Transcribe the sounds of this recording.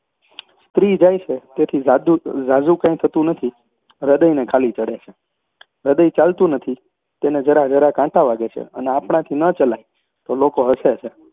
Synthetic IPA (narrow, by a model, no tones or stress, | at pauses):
st̪ɾid͡ʒajt͡ʃʰet̪et̪ʰizad̪uzad͡ʒũkãĩt̪ʰət̪ũnət̪ʰi | ɾəd̪əjnekʰalit͡ʃəɽet͡ʃʰe | ɾəd̪əjt͡ʃalt̪ũnət̪ʰi | t̪ened͡ʒəɾad͡ʒəɾakãʈaʋaɡet͡ʃʰḛə̰neapɳãt̪ʰinət͡ʃəlaj | t̪olokoɦəset͡ʃʰe